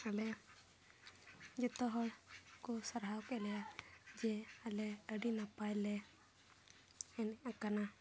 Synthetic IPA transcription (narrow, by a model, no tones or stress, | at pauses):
alɛ | d͡ʒɛt̪ɔɦɔɽkɔsaɾɦawkɛlɛjad͡ʒɛalɛəɖinapajlɛ | ɛnakana